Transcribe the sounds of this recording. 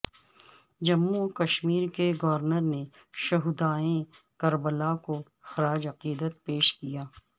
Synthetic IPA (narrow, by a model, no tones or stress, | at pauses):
d͡ʒɐmːukɐʃmiːɾkeɡɐʋəɾnəɾne | ʃɐɦud̪aːẽ | kɐɾbəlako | xɐɾaːd͡ʒɐqiːd̪ət̪̚peːʃkijaː